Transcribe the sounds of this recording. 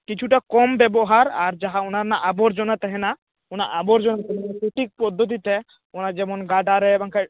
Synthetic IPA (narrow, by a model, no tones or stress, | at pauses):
kit͡ʃʰuʈakɔmbɛbɔɦaɾaɾd͡ʒaɦaunaɾnaʔabɔɾd͡ʒɔnat̪ɛɦɛna | una̰ʔabɔɾd͡ʒɔnat̪ɛɦasuʈik̚pɔd̪ʱːɔt̪̬it̪ɛ | ɔnad͡ʒɛmɔnɡaɖaɾɛbaŋkʰa